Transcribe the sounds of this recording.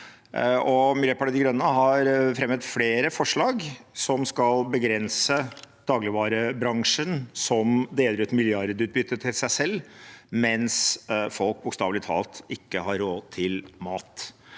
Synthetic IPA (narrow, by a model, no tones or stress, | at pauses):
ʔɔmɪløːpʰɑʈəd̪ɪɡɾœnːəɦɑɾfɾɛməd̪fleːɾəfɔʂɭɑːɡsɔmskɑlbəɡɾɛnsəd̪̥ɑːɡlɪʋɑːɾəbɾɑŋʂənsɔmd̪eːd̪əɾʉːt̪mɪljɑɾd̪ʉːt̪̚bʏt̪ːət̪ʰɪlsæɪsɛlːmɛnsfɔlk̚bʊkst̪ɑ̰ːʋlɪt̪ʰɑ̰ːlt̪ɪkːəɦɑɾːoːt̪ʰɪlmɑːt̪